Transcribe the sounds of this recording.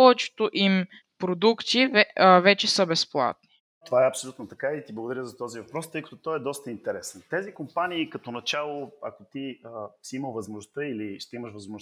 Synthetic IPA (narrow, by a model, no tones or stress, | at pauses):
pɔvɛt͡ʃɛ̥t̪oʔim | pɾod̪ukt̪ivɛvɛt͡ʃɛsəbɛsplˠa̰t̪̚ni̥ | t̪ovaɛɐpsolʲut̪not̪ɐkait̪iblˠəɡʊd̪ɐɾʲəzɐt̪ɔzivɐpɾɔst̪əjkə̥t̪ʊt̪ɔɛd̪ɔst̪əint̪ɛɾɛsɛnt̪ɛzikompaniːkɐt̪onɐt͡ʃalˠoɐ̰kot̪iəsiiməlvɐzmoʒnost̪əiliʃt̪ɛiməʃvəzmoʒ